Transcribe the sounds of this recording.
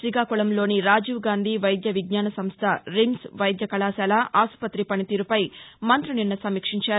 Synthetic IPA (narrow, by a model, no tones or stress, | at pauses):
sɾiɡaːkuɭɐmlo̞ːniɾaːd͡ʒiʋɡaːnd̪ʱiːʋɐjd̪jɐʋiɡɲaːnɐsɐmst̪ʰɐɾimsʋɐjd̪jɐkɐlaːsaːlaʔaːsu̥pɐt̪ɾipɐnit̪iːɾupɐjmɐnt̪ɾuninːɐsɐmiːkʂiɲt͡ʃaːɾu